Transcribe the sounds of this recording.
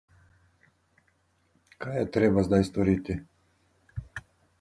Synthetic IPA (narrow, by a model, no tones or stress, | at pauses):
kajɛt̪ɾɛbazd̪ajst̪ɔɾit̪i